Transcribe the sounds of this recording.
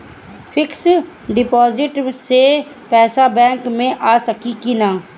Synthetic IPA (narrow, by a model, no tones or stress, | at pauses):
fʰɪks | ɖɪpɔːzɪʈse | pɛːsabɛ̃ːŋkmẽʔaːsəkikinaː